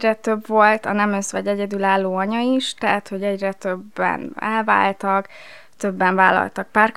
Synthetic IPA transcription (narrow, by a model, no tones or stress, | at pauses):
rɛt̪ø̞bvo̞lt̪ɒnɛmøsʋɛɟɛɟɛd̪ylaːlːoːɒɲɒiʃt̪ɛɦat̪ho̞ɟɛɟrɛt̪øbːɛ̰nɛlva̰ːlt̪ɒk | t̪øbːɛɱva̰ːlɒ̰lt̪ɒk̚paːrk